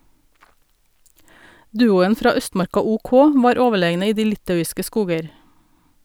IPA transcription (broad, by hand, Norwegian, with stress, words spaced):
ˈdʉːʊən ˈfɾɑː ˈœstmɑɾkɑ ʊˈkɔ ˈʋɑːɾ ˈoːʋəˌɭeːɡnə ˈiː ˈdiː ˈlɪtɑʉɪskə ˈskuːɡəɾ